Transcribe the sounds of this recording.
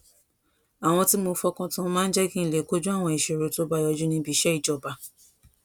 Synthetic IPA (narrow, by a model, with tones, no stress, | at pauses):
a˨w̃ɔ̃˧ti˦mo˧fɔ˧kɔ̃˧tã˧mãː˦n̩˦d͡ʒɛ˦ɡĩ˦˨le˨ko˦d͡ʒũ˦a˦˨w̃ɔ̃˧i˨ʃe˨ɾo˨to˦ba˧jɔ˧d͡ʒu˦nĩ˧˦bi˨˦ʃɛ˦i˨d͡ʒɔ˨ba˧